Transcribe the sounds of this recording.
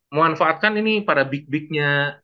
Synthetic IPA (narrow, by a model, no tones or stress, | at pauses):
məmanfaʔːt̪̚kaninipaɾabɪk̚bɪk̚ɲa